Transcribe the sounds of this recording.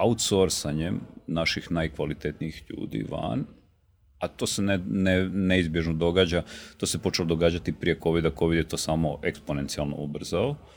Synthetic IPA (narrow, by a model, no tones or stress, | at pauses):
aut̪so̞ɾsaɲemnaʃixnajkʋalit̪et̪niixʎṵːd̪ḭʋa̰n | at̪o̞ːseneneneizbje̞ʒnod̪o̞ɡaːd͡ʑat̪o̞ːse̞po̞t͡ʃelod̪oɡaːd͡ʑat̪ipɾije̞ko̞ʋid̪ako̞ʋid̪jet̪o̞ːsaːmo̞ʔekspone̞nt̪sialˠno̰obr̩zao